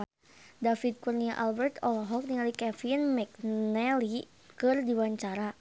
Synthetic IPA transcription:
dafit̪̚kurniaʔalbɛrt̪ɔlɔɦɔk̚niŋalikɛfinmɛknɛli | kɨrdiwaɲt͡ʃaɾa

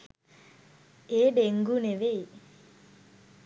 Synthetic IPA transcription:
eːɖeŋɡuneʋej

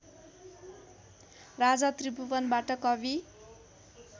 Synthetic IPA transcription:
rad͡zʌt̪ribubʌnbaʈʌkʌbi

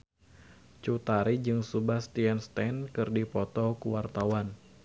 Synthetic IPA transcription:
t͡ʃut̪aɾid͡ʒɨŋsubahst̪iɛnst̪ankɨrdipɔt̪ɔkuwart̪awan

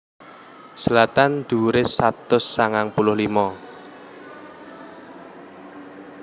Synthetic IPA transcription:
səlat̪and̪̥uɾɪsat̪ʊsːaŋaŋpulʊhlimɔ

